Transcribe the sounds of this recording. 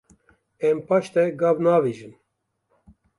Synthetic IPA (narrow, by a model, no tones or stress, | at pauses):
ɛmpɑʃt̪ɛɡɑːvnɑːviʒɨn